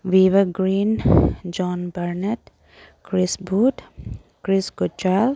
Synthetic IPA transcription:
ʋiːʋəɾɡɾiːnd͡ʒɔːnbəɾneʈ | kɾɪsbuːʈ | kɾɪskʊt͡ʃaːl

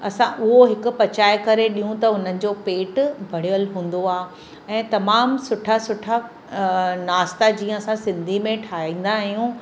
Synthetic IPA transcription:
ɐsãʔʊɦoɦɪkʊ̆pɐt͡ɕaːjkɐɾeɗĩɦũt̪ɐʊn̤ənɪ̆d͡ʑopeːʈbʱɐɽ̤ijəlɦũːn̆d̪oaːɦ | ɛ̃ːt̪ɐmaːmsʊʈʰasʊʈʰa | naːst̪ad͡ʑiːə̃ɐsãsɪ̃nd̪ʱimẽʈʰaːĩːn̆d̪aɦjũ

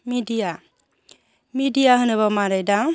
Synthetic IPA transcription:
midija | midijaɦɯnɯβamaɾajdaŋ

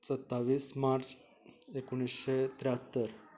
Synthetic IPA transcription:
t͡sət̪ːaʋiːsmaɾt͡s | ekuɳ̃isɕet̪ɾjɦət̪ːəɾ

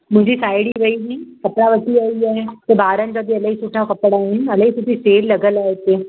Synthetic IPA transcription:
m̤ũd͡ʑiːsajɽiːʋəiniːkəpɾaʋəʈiːaiat̪ebaːɾə̃ɲd͡ʑad̪iːələɦisuʈʰãkəpɽaɦenələɦisuʈ̪iːselːəɡəlaɦet̪e

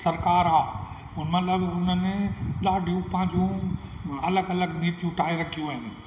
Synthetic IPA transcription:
sɐɾkaːɾaː | ʊnmɐt̪ləbʊnəneɗaːɖʱijũpɐ̃ɦɪ̃ɲd͡ʑũ | ɐləɡɐləɡniːt̪ijũʈaːiɾɐkʰijũaːɪnɪ̆

